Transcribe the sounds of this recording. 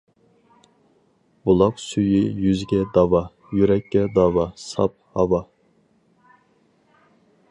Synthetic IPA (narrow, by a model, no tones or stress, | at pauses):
bulˠɑqsyjijyzɡʲɛd̪ɑwɑ | jyɾɛkʲːɛd̪ɑwɑsɑ̰p̚hɑvɑ